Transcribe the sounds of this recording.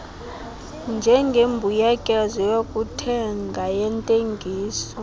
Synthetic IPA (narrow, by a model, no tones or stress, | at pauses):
nd͡ʒʱɛŋɡʱembʱujakʼɛzɔjokʼutʰɛŋɡʱajɛntʼeŋɡʱiːsɔ